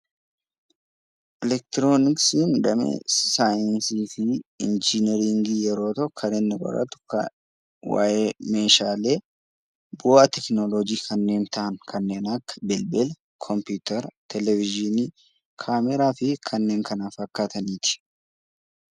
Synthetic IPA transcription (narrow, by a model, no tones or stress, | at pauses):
ʔɪlɛk̚t̪ɪɾoːnɪksiːnd̪ɐmḛsaːjɐnsiːfɪɪ̰nd͡ʒɪnɛɾɪŋɡijɛɾo̞ːt̪ɔkʰːɐɾɛnːɐɡʼɐ̰ɾɐ̰t̪ʊ̥k | wa̰ːʔemeːʃaːleː | boːʔɐt̪ɛknolod͡ʒiːkʰɐnːe̞ːnt̪ɐʔɐŋkʰɐnːe̞ːnɐkːɐ̥bɛlbɛl | kʰɔmpuːt̪ɐɾt̪ʰɛlɛvɪd͡ʒɪniː | kʰaːmɛɾaːfɪkʰɐnːe̞ːŋkɐnaːfɐkːaːt̪ɐniːt̪ɪ̥